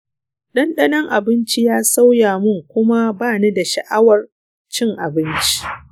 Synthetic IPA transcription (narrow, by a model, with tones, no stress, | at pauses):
ɗɐ˦nɗɐ˦nɐ˦ŋʔa˨bɪ˦nt͡ʃi˦jaː˦sa˦wjaː˨mʊ˦ŋkʷʊ˦ma˦baː˦˨ne˦da˨ʃɐ̰˨ʔa˦wɐ˨r | t͡ʃɪ˦ŋʔa˨bɪ˦nt͡ʃi̥˦